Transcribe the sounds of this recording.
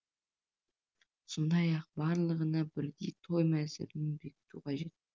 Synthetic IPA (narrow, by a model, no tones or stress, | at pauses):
sond̪ɑjɑq̚bɑɾlˠəʁənɑbɪɾd̪it̪ʰo̞jmæsɪ̰ɾɪnɪnbe̞kʲɪ̥t̪uqʰɑʒe̞t̪̚